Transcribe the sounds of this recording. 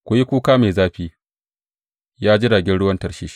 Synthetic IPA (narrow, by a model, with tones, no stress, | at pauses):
kʷʊ˨ji˦kʷuː˦kaː˦me˨jzaː˦ɸiː˦ | jaː˦d͡ʒɪ˦daː˨ɡʲɛ˦nɽʊ˦wɐ˦ntɐ˦rʃiː˦ʃ